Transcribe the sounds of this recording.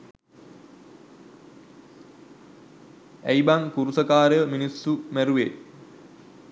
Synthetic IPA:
æjbaŋkuɾusəkaːɾejəminisːumæɾuʋe

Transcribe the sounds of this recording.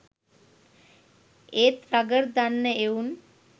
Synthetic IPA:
eːt̪ɾaɡəɾd̪anːəeun

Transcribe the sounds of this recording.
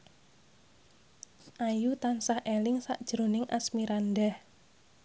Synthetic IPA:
ʔajut̪ansahʔelɪŋsaʔd̥ʒ̥ɾo̤nɪŋʔa̰smiɾandɛh

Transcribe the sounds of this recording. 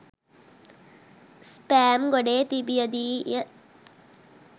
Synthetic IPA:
spæːmɡoɖeːt̪ibijɐd̪iːjɐ

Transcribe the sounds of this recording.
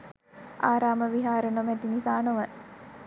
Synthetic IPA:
aːɾaːməʋiɦaːɾənomɛt̪inisaːnoʋə

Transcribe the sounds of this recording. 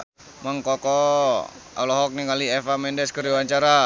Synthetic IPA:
maŋkɔkɔ | a̰lɔɦɔk̚niŋaliefamɛndɛskəɾuwaɲt͡ʃaɾa

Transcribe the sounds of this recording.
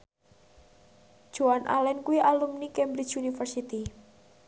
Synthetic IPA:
d̥ʒ̥uanʔa̰lɛnkuiʔalumnikɛmbɾit͡ʃunifərsit̪i

